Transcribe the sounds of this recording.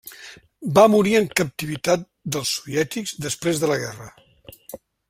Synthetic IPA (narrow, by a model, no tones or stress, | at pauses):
bamuɾiəŋkəp̚t̪iβit̪at̪̚ | d̪əlˠsːuβiɛt̪ikzd̪əspɾezðələɣɛrə